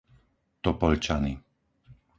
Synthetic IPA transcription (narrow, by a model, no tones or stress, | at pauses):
t̪ɔpɔʎt͡ʃani